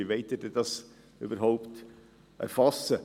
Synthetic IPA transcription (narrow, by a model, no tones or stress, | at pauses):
iʋɛɪtidɛd̥ɑs | y̰bəɾɦoʊpt | ʔɛ̰ɾfɑsə